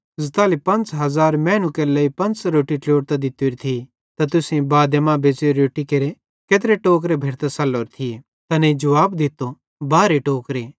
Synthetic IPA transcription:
zɐt̪aːlipɐ̃nt͡sɦɐzaːɾmɛːnukelɐipɐ̃nt͡sɾoːʈiʈloːʈ̚t̪ɐd̪ɪt̪ːuɾit̪ʰi | t̪ɐt̪̬ʊsẽbaːd̪emãbeːseɾoːʈːikeɾe | keːt̪̬ɾeʈoːk̬ɾebʱeːɾt̪ɐsɐlːoːɾt̪ʰi | t̪ɐnɛid͡ʒɐʋaːbd̪ɪt̪ːo | baːɾeʈoːkɾe

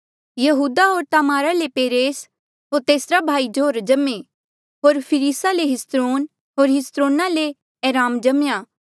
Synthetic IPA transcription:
jɐɦuːd̪aɦoːɾt̪aːmaːɾalepeːɾeːs | ɦoːɾt̪eːsɾabʱaːid͡ʒoːɾd͡ʒɐme | ɦoːɾpʰɪɾiːsaleɦɪst̪ɾoːn | ɦoːɾɦɪst̪ɾoːnale | ɛːɾaːmd͡ʒɐmjaː

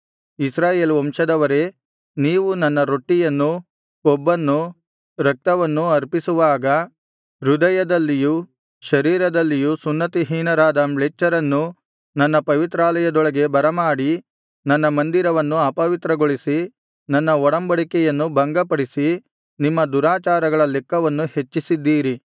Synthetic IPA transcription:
isɾaːjeːlɔmʃɐd̪ɐʋɐɾe̞ | niːʋunɐnːɐɾoʈːijɐnːu | ɔbːɐnːu | ɾɐk̚t̪ɐʋɐnːuɐɾpisuʋaːɡɐ | ɾud̪ɐjɐd̪ɐlːiju | ʃɐɾiːɾɐd̪ɐlːijusunːɐt̪iɦiːnɐɾaːd̪ɐmɭet͡ʃːɐɾɐnːu | nɐnːɐpɐʋit̪ɾaːlɐjɐd̪ɔɭɐɡe̞bɐɾɐmaːɽi | nɐnːɐmɐnd̪iɾɐʋɐnːuɐpɐʋit̪ɾɐɡoɭisi | nɐnːɐɔɽɐmbɐɽikɛjɐnːubʱɐŋɡɐpɐɽisi | nimːɐd̪uɾaːt͡ʃaːɾɐɡɐɭɐlɛkːɐʋɐnːuhe̞t͡ʃːisid̪ːiːɾi

